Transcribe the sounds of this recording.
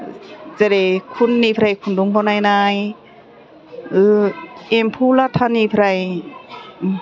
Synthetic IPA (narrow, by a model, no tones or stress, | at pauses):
zeɾekʰunːipʰɾajkʰunduŋbʰanajnaj | ɯ | empʰulatʰanipʰɾaj